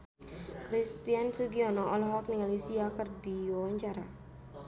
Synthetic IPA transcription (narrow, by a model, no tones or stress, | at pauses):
kɾist̪iansuɡiɔnɔʔɔlɦɔk̚niŋalisiakərdiwawaɲt͡ʃaɾa̰